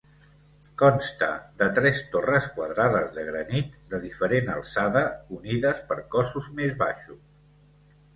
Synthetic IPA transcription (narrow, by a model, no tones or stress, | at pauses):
kɔnst̪ə̰ðət̪ɾɛst̪orəskwəðɾaðəzðəɣɾənit̪̚d̪əðifəɾenə̰lˠsaðəuniðəspəɾkɔsuzmezβa̰ʃus